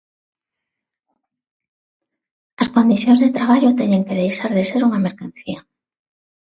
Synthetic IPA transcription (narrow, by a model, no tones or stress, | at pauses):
ɐskond̪iθjõnzðet̪ɾaβ̞aʎot̪ɛɲeŋkeðejsaɾðeseɾuŋameɾkanθia